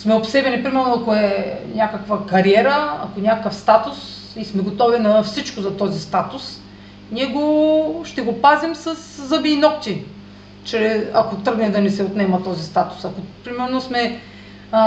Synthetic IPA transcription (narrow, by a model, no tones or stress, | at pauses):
smɛopsɛbɛnʲipɾimɛɾnoakoɛnʲakəkvɐkɐɾiɛɾəɐ̰konʲakəfst̪at̪ʊs | ismɛɡot̪ɔvinɐfsit͡ʃkʊzɐt̪ɔzist̪at̪ʊs | niɛɡoʃt̪ɛɡopazimsɐsːɐbiːnɔt̪ʲi | t͡ʃɾɛɐkot̪ɾɤɡnɛd̪ɐnɛsɛot̪nɛmət̪ɔzist̪at̪ʊ̥sɐkopɾimɛɾnosmɛ